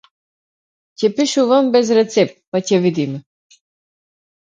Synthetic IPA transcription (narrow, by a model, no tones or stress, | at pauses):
cʲʰɛpiʃuvɐmbɛzɾɛt̪sɛp̚t̪̚pacʰɛvid̪im